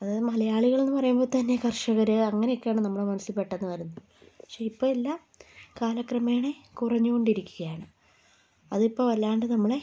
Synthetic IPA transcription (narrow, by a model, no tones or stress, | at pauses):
ɐðɨmɐlɐjaːɭiɣɐɭe̞nːɨpɐrɐjumbo̞ːt̪ɐnːe̞kɐrʂɐɣɐɾɨɐŋːɐnejokʲːaːɳɨnɐmːɐɭemɐnɐsilpːe̞ʈːenːɨʋɐɾunːu | pɐ̥kʂe̞ipːo̞ːelːaː | kaːlɐkrɐmeːɳekurɐɲːuɣo̞ɳɖiɾikʲːuɣɐjaːɳɨ | ɐðipːo̞ːɐlːaːɳɖɨnɐmːɐɭe